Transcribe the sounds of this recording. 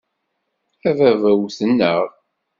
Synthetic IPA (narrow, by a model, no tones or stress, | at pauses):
ævævæwθənːəʁ